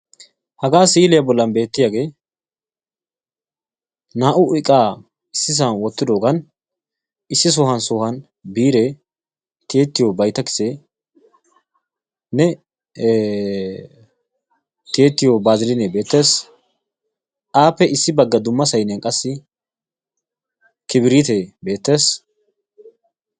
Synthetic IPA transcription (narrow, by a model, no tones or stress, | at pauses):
hɐɡaːsiːlɪjɐbɔlːɐnbe̞ːt̪ːɪjaːɡe̞ː | naːʔʊɪkʼːaː | ɪsːɪs̬ɐnwɔt̪ːɪd̪oːɡɐn | ɪsːɪs̬ɔhɐnsɔhɐn | biːɾɛ | t̪eːt̪ːɪjobɐjt̪ɐkɪ̥sɛ | nɛ | t̪eːt̪ːɪjobaːzɪɾɪnɛbe̞ːt̪ːe̞ːs | ʔaːpːɛɪsːɪbɐɡːɐd̪ʊmːɐsɐjnɛnkʼɐsːɪ | kɪbɪɾiːt̪eːbe̞ːt̪ːe̞ːs